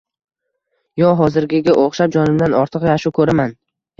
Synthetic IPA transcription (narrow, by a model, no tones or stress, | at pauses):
jɒɦɒzɪɾɡʲɪɡʲaʔoχʃap̚d͡ʒɒnɪmd̪anɒɾt̪ʰɨqjaʃukʰɵɾaman